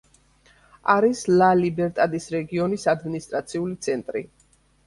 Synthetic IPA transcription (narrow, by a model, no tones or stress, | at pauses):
aɾislalibɛɾt̪ʼad̪isɾɛɡiɔnisad̪minist̪ʼɾat̪sʰiulit̪sʰɛnt̪ʼɾḭ